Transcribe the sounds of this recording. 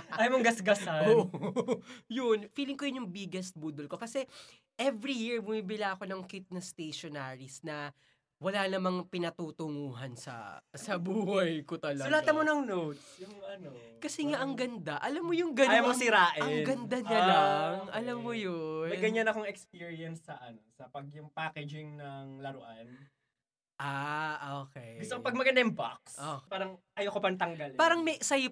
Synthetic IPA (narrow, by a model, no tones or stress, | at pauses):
ajmoŋɡɐsɡɐsɐoʔ | jʊnfiːlɪŋkojʊnjʊŋbɪɡɛst̪̚buːd̪olko̞kɐsɛ | ʔɛvɾijiɹbʊmiːbɪlaʔɐko̞nɐŋkɪt̪̚nɐst̪ejʃonaːɹisnɐ | wɐlanɐmɐŋpɪnɐt̪uːt̪ʊŋuːɦɐnsɐ̰sɐbuːhɐjkot̪ɐlɐʊlaːt̪ɐmonɐŋnowt̪ʊɐn | kɐsɛŋaʔɐŋɡɐnd̪aʔɐlamːojʊŋɡɐajamosɪɾaːʔɛŋɡɐnd̪ɐɲɐllaŋʔɐlamːojoɐjɡɐɲanɐkoŋɛkspiɹiɐnsːɐʔɐnosɐpɐɡ̚jʊŋpaːkɛd͡ʒɪŋnɐŋlɐɾoʔan | ʔaʔoːkɛjɡʊst̪okopɐɡ̚mɐɡɐnd̪ajʊŋbak̚sopaːɾɐŋʔɐjokopɐnt̪ɐŋɡɐlpaːɾɐŋmɛsɐj